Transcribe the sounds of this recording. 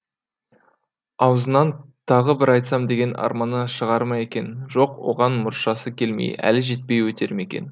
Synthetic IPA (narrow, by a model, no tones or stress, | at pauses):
ɑwzənɑnt̪ʰɑʁəbɪɾɑjt̪sɑmd̪e̞ɡʲe̞nɑ̰ɾmɑnəʃəʁɑɾmɑje̞kʲe̞nʒo̞qwo̞̰ʁɑnmʊɾʃɑsəkʲʰe̞lmḛjæ̰lɪʒe̞t̪̚pe̞jwɵt̪ʰe̞ɾɪme̞kʲe̞̰n